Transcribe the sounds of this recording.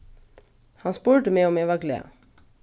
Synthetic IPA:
hɑspʉːɹʈəmeːɔmeːʋɑɡlḛɑ̰

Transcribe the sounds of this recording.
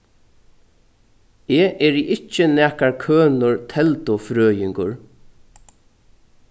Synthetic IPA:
ɛːʔɛɹiʔɪt͡ʃːənɛːkaɹkʰøːnʊɹt̪ʰɛlt̪ʊfɾøːjɪŋkʊɹ

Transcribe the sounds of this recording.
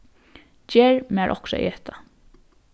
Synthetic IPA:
d͡ʒeːɹmæːɹʔɔ̰hksa̰ʔḭɛht̪ʰa

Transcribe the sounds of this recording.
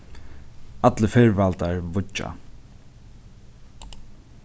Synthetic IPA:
at̪ləfɛɹvalt̪aɹvʊt͡ʃːa̰

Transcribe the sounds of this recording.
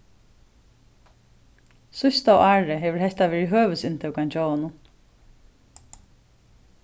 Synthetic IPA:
sʊst̪awʔaːɹɪɦɛːʋɪɹhɛht̪aʋɛːɹɪɦøːʋəsɪnt̪ʰɛwkant͡ɕowanʊ

